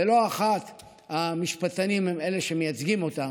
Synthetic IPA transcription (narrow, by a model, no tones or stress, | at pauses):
elo̞aχat̪ | amiʃpatanimheme̞le̞ʃemejat͡sɡimo̞ta